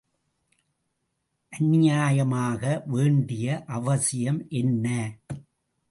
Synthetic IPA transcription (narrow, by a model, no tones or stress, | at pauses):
ʔɐnɪjaːjɐmaːɣɐʋeːɳɖɪjɐʔɐʋɐsɪjɐmʔɛnːɐ